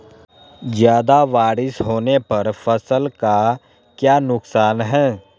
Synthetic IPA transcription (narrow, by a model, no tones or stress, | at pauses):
zjaːd̪aʋaːɾɪsɦoːnepɐɾfʰɐsəlka | kjaːnʊksaːnɦɛ̃ː